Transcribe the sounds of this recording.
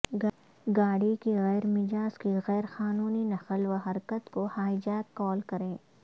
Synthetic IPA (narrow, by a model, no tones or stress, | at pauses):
ɡaːɽikiɣɛːɾmɪd͡ʒaːskiɣɛːɾxaːnuːninɐxəlʋɐɦɐɾkət̪kohaːɪd͡ʒaːt̪̚kɔːlkɐɾẽː